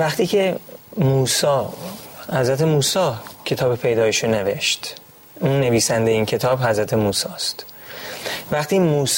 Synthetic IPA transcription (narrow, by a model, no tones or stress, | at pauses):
væχt̪ʰiːcʰe̞muːsɒː | hæzɾæt̪ʰe̞muːsɒːcʰe̞t̪ʰɒːbepʰe̞jd̪ɒːjeʃoneve̞ʃt̪ | ʔuːnːe̞viːsænd̪jeiːncʰe̞t̪ʰɒːbhæzɾæt̪ʰe̞muːsɒːst̪ | væχt̪ʰiːmuːs